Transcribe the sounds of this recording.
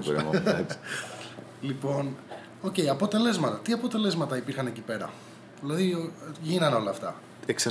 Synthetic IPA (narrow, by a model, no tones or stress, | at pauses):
ɾ̰ | lipo̞n | o̞ce̞jiɐpo̞t̪e̞le̞zmɐt̪ɐt̪iɐpo̞t̪e̞le̞zmɐt̪ɐipiɾxɐne̞cipe̞ɾɐ̰ | ðilɐðiʝinɐno̞lɐːft̪ɐ | ekse